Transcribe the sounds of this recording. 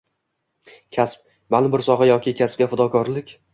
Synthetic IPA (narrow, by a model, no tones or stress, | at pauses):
kʲʰasp̚ | manɪbɪɾsɒχajɒkʲʰɪkʲʰasp̚ɡʲafʊd̪ɒkʰɒɾlɪkʲ